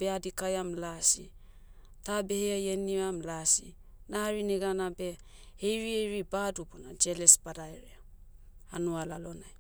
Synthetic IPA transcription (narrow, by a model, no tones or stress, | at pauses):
beadikajamlasi | tabe̞heajeniamlasḭ | naaɾineɡanabe̞ | hejɾiejɾibadubunad͡ʒe̞lespadaeɾea | anualalo̞naj